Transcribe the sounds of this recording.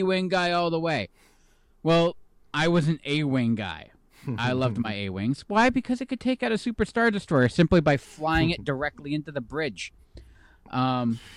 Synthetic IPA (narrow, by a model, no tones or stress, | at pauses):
wɪ̃ŋɡaɪɔlˠðəweɪ | wɛlˠ | aɪwʌzɨ̃n̩eɪwɪ̃ŋɡa̰ɪ | aɪlʌvd̚maɪḛɪwɪ̰̃ŋz̥waɪbɨkʰʌzɨt̚kɨd̚tʰeɪkaʊɾɨsʉpə˞stɑɹdɨstɔɹsɪ̃mplibaɪflaɪ̃ɪ̃ŋɨt̚d̥ə˞ɛk̚tˡliɪ̃ntʉðɨbɹɪd̥ʒ̥ | ʔʌ̃m